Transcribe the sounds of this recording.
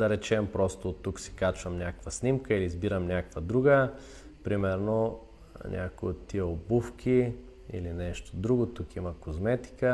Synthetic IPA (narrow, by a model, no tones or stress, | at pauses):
d̪ɐɾɛt͡ʃɛmpɾɔst̪oːt̪ːuksi̥kat͡ʃvɐmnʲakkvəsnʲimkəilizbiɾəmnʲakkvəd̪ɾuɡə | pɾimɛɾno | nʲʔa̰kojot̪ːiɛobufk̟ʰi | ḭlinɛʃt̪o̥d̪ɾuɡot̪ukimɐkozmɛt̪i̥kə